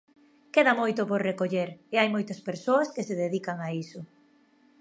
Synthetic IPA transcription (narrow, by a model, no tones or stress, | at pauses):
keðɐmojt̪ʊpoɾrekoʎeɾeajmojt̪ɐspeɾsoɐskeseðeðikaŋaisʊ